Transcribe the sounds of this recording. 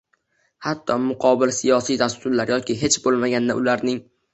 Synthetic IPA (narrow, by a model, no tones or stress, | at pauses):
hat̪ʰːɒmʊqʰɒbɪlsɪjɒsijd̪ast̪ʰʊɾlaɾjɒkʲʰɪɦe̞t͡ʃbolˠmaɡʲand̪a̰ʊlaɾnɪŋ